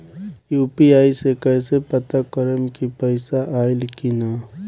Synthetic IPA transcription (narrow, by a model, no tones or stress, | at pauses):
juːpiaːisekɛːsepɐt̪akəɾəmkipəɪsaʔaːɪlkinaː